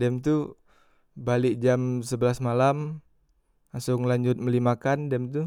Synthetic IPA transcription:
dɛmt̪u | balɪk̚d͡ʒamsəbəlasmalam | asʊŋlaɲd͡ʒʊt̪̚məlimakandɛmt̪u

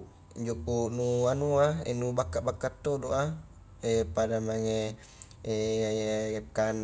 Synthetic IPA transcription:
iɲd͡ʒopunuanuaḛnubakːaʔbakːat̪ːodoʔa | epadamaŋe | e | kan

